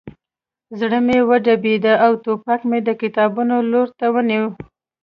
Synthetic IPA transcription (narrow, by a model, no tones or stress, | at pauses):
zɽəmewəɖabed̪aawt̪opakmed̪əkɪt̪ɑbunoloɾt̪awəniw